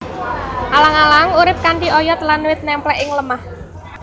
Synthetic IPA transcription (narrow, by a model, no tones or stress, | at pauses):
ʔalaŋalaŋuɾɪp̚kaɳɖiɔjɔt̪lanːuwɪt̪̚nɛmplɛʔɪŋləmah